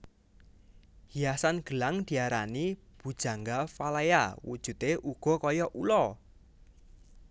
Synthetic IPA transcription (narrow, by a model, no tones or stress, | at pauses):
hiasanɡ̥ə̤laŋd̪̥i̤aɾanib̥ṳd̥ʒ̥a̤ŋɡafalaja̰wṵd̥ʒ̥ṳt̪eʔuɡ̥ɔ̤kɔjɔʔulɔ